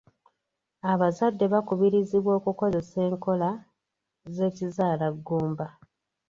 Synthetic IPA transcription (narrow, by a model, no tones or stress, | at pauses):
aβazadːe̞βakuβiɾiziβwo̞ːkuko̞ze̞se̞ːŋko̞la | ze̞ːcizaːlaɡːuːmba